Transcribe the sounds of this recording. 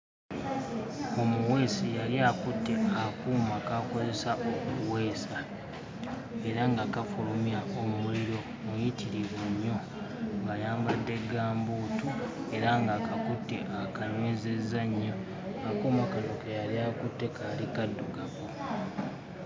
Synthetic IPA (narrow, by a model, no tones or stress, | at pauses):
o̞muwe̞ːsijaliakutːe̞akuːmakako̞ze̞saʔokuwe̞ːsa | e̞ɾaŋɡaːkafulumjaʔomuuliɾo̞ | mujitiɾiβeɲːo̞ | ŋɡajaːmbadːe̞ɡaːmbuːtue̞ɾaŋɡaːkʰakutːe̞ʔakaɲweːzezːaɲːo | ŋɡakuːmakanokejaliakutːe̞kaːlikadːuɡako